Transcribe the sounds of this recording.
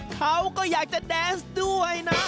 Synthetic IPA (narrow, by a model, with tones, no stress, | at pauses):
kʰa˦˥wkɔː˥˩jaː˨˩k̚t͡ɕa˨˩dɛː˨˥nsdu˥˩əjna˦˥